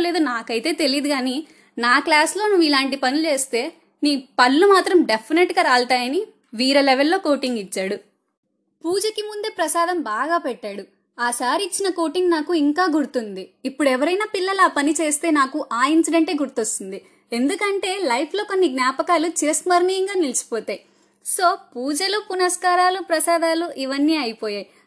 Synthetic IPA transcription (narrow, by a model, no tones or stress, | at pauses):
le̞ːd̪unaːkɐjt̪e̞ːt̪e̞lijːd̪uɡaːni | naːklaːslo̞ːnuʋːilaːɳʈipɐnit͡ʃe̞ːst̪e̞ː | niːpɐlːumaːt̪ɾɐmɖepʰːineʈɡaːɾaːlt̪aːjɐni | ʋiːɾɐlɛʋelːo̞ːko̞ːʈiŋɡit͡ʃːaːɽu | puːd͡ʒɐkimund̪e̞ːpɾɐsaːd̪ɐmbaːɡaːpɛʈːaːɽu | aːsaːɾiit͡ʃːinɐko̞ːʈiŋɡnaːkuiŋkaːɡuɽut̪und̪iːpːuɽuɛʋɐɾɐjnaːpilːɐlaːpɐnit͡ʃe̞ːst̪e̞ːnaːkuʔaːjinsiɖɐɳʈe̞ːɡuɾt̪ost̪und̪i | e̞nd̪ukɐɳʈe̞ːlɐjpʰlo̞ːko̞nːiɡnʲjaːpɐkaːlut͡ʃesmɐɾnijɐŋɡaːnilit͡ʃi̥poːt̪aːj | soːpuːd͡ʒɐlupunɐskaːɾaːlupɾɐsaːd̪aːluʔiʋɐnːiːɐjipoːjaːji